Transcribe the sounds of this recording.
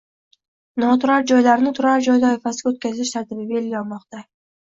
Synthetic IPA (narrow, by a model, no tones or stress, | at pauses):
nɒt̪ʰʊɾaɾd͡ʒɒjlaɾnɪt̪ʰʊɾaɾd͡ʒɒjd̪aːɪfasɪɡʲot̪̚kʲʰazɪʃt̪ʰaɾt̪ʰɪbɪbelɡʲɒlˠmɒqt̪a